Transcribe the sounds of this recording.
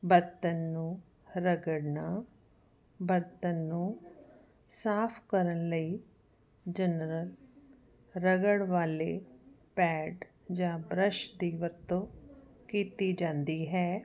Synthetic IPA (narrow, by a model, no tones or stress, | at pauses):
bəɾt̪ənːũː | ɾəɡəɽnaː | bəɾt̪ənːũː | saːpʰkəɾənləiː | d͡ʒənɾəl | ɾəɡəɽʋaːleː | pɛːɖ | d͡ʒãːbɾəʃd̪iːʋəɾt̪õːkiːt̪iːd͡ʒãːnd̪iːɦɛː